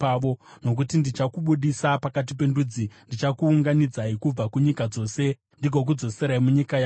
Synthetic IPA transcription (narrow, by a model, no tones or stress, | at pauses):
aʋono̞k̬utindit͡ʃakuɓuɗisapakat̬ip̬e̞ndud͡zindit͡ʃakuːŋɡanid͡zaikub͡vakuɲikad͡zo̞ːse̞ | ndiɡʱok̬ud͡zo̞se̞ɾaimuɲikaja